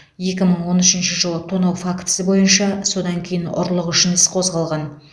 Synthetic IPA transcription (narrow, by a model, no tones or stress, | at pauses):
je̞kʲɪməɴwo̞nʏʃɪnʃɪʒəlˠət̪ʰonɑwfakt̪sɪbo̞jənʃɑso̞d̪ɑŋkʲʰe̞jɪnʊ̰ɾlˠəqʏʃɪnɪsqʰo̞zʁɑlˠʁɑn